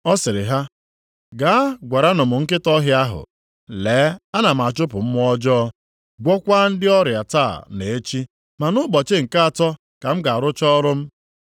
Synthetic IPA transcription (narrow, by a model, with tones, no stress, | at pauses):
ɔ˦sɪ˨ɾɪ˨ɦa˦ | ɡaː˨˦ɡʷa˨ɾa˦nʊ˨mʊ˨ŋ̩˦kɪ˦tɔ˦ɦɪ˦a˦ɦʊ̰˨ | leː˨˦a˦na˨m̩˨a˨t͡ʃʊ˦pʊ˨m̩˦m˦ɔ˦d͡ʒɔ˦ | ɡʷɔ˦kʷa˦n̩˦dɪ˦ɔ˦ɾja˨taː˦˨ne˨e˦t͡ʃi˦ | ma˨nʊ˦bɔ˨t͡ʃɪ˦ŋ̩˨ka˦a˨tɔ˦ | ka˨m̩˦ɡa˨a˨ɾʊ˦t͡ʃɔ˦ɾʊ˦m̩˦